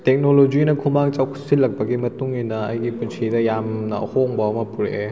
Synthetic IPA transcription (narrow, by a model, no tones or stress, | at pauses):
tek̚nolod͡ʒinɐkʰumaŋt͡ʃawkʰu̥silːɐk̚pɐɡimɐtuŋinɐɐjɡipunsʰidɐjamnɐhoŋbɐɐmɐpuɾe